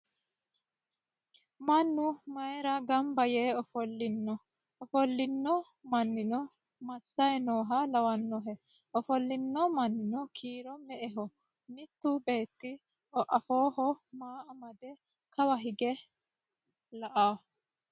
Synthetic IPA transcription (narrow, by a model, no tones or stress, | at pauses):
mɐnːʊmɐjɛɾɐɡɐmbɐjeːɔfɔlːɪnːɔ | ɔfɔlːɪnːɔ | mɐnːɪnɔ | mɐsːɐjɛnoːɦɐlɐwɐnːɔɦɛ | ɔfɔlːɪnːɔmɐnːɪnɔkʰiːɾɔmɛʔɛɦɔ | mɪt̪ːʊbe̞ːt̪ːɪ | ɔʔɐfoːɦɔmaːʔɐmɐd̪ɛ | kʰɐwɐɦɪɡɛ | lɐʔaː